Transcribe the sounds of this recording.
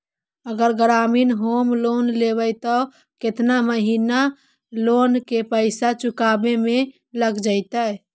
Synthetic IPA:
əɡəɾɡɾaminɦomlonlebəjt̪ɔ | ket̪naməɦina | lonkepəɪsat͡ʃukabeme | ləɡd͡ʒəɪt̪ə

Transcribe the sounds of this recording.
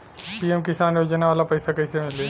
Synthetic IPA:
piemkɪsaːnjoːd͡ʒnaʋaːlapɐɪsakɐɪsemɪleː

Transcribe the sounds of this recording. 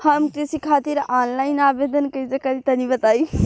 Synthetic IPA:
hɐmkɾɪsikʰaːt̪ɪɾaːnlaːɪnaːbeːd̪ənkɐizekɐɾit̪ɐnĩʋɐt̪aːiː

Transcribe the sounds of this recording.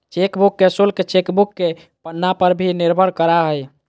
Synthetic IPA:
t͡ʃekbukːesulket͡ʃekbukːe | pənːapəɾbʱiniɾbʱəɾkəɾaɦəj

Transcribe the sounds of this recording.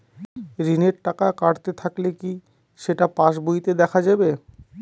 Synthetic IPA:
ɾineɾʈakakaɽt̪et̪ʰakleki | ʃeʈapaʃbujt̪ed̪ɛkʰad͡ʑabe

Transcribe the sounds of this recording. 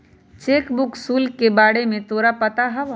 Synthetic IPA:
t͡ʃeːkbʊksuːlkebaːɽemẽt̪oːɾapət̪aɦɐʋ

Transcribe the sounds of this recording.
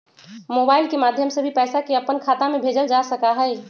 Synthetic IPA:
moːbaːɪlkemaːd̪ʱjəmsebʱipɛːsakeɐpənkʰaːt̪amẽbʱeːd͡ʒəld͡ʒasəkaɦɛɛ

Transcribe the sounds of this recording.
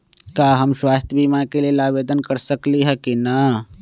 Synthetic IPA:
kaːɦɐmʃwaːst̪ʰjəbʱiːmakelielaːʋeːd̪ənkɐɾsɐkliɦɛkina

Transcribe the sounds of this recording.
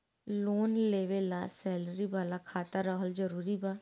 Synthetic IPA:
loːnleːʋelaːsɛːləɾiːbaːlaːkʰaːt̪aɾəɦəld͡ʒəɾuːɾiːbaː

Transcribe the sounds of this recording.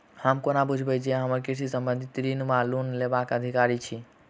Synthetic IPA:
həmkonabud͡ʒʱbɛd͡ʒeɦəməɾkisisəmbənd̪ʱit̪ɾinmalunlebakəd̪ʱikaɾit͡ʃʰi

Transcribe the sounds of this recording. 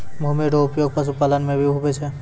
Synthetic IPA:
bʱumiɾɔʊpjoɡ̚pas̬upalənmẽbʱiubɛt͡ʃʰɛ

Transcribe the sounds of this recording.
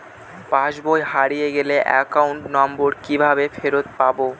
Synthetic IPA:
pãʃbojɦaɾijeɡeleʔɛ̰kauɳʈnɔmboɾkibʱabefeɾot̪̚pabo

